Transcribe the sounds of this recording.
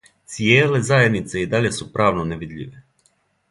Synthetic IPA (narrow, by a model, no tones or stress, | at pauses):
t̪sijeːle̞zajed̪nit̪se̞id̪aʎe̞supɾaːʋnoneʋid̪ʎʲḭʋe